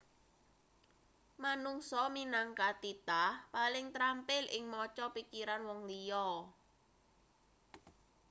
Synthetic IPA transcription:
manuŋsɔminaŋkat̪it̪ahpalɪŋt̪ɾampɪlʔɪŋmɔt͡ʃɔpikiɾanwɔŋlijɔ

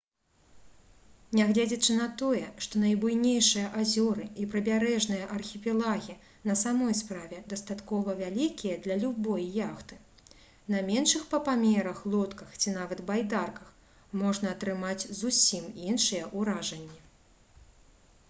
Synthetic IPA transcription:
nʲaɣlʲad͡zʲɐt͡ʂɨnɐt̪ɔjɛʂt̪ɔnɐjbujnʲejʂɨjɐʔazʲɔɾɨipɾɐbʲaɾɛʐnɨjɐʔɐrxʲipʲilˠaɣʲi | nɐsamɔjspɾavʲɛd̪ɐst̪at̪kɔvɐvʲalʲikʲijɐd̪lʲɐlʲubɔjːaxt̪ɨ | nɐmʲɛnʂɨxpɐpamʲɛɾɐxlˠɔt̪kɐxt͡sʲinavɐt̪bajd̪arkɐx | mɔʐnɐːt̪ɾɨmat͡sʲzusʲiminʂɨjɛʔuɾaʐɐnʲːi

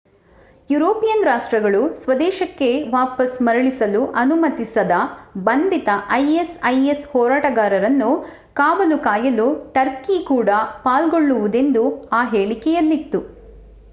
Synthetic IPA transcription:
juɾoːpijɐnɾaːʂʈɾɐɡɐɭusʋɐd̪ɛːʃɐkːe̞ʋaːpɐsmɐɾɐɭisɐluʔɐnumɐt̪isɐd̪ɐbɐnd̪it̪ɐʔɐjesɐjeshɔːɾaːʈɐɡaːɾɐɾɐnːu | kaːbɐlukaːjɐluʈɐɾkikuːɽɐpaːlɡoɭːuʋud̪e̞nd̪uaːɦeːɭikɛjɐlːit̪ːu

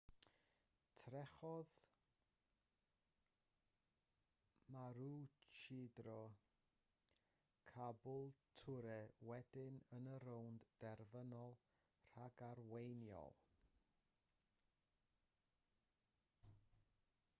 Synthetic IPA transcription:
tʰrɛχɔð | maɾut͡ʃʰɪdrɔ | kʰabʊlˠtʰʊɾɛwɛdɪnənəɾowndd̥ɛrvənɔlˠ | r̥aɡarwejnjɔ̰lˠ

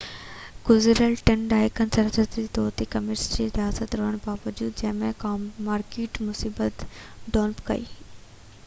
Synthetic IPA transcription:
ɡ̥ʊzɾəlʈenɖaːɪkɐnsəɾzət̪id̪oːt̪ikɐmeɾsd͡ʑiɾɪijaːsət̪ɾoɦəɽ̃baːʋɐd͡ʑuːd̪̚d͡ʑɐ̃ɦɪ̃mẽkaːmːaːɾkiːʈmʊsiːbət̪ | ɖoːlpkɐ̰ḭː

